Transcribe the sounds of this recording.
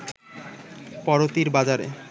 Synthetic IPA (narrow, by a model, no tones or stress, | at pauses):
pɔɾot̪iɾbad͡ʑaɾḛ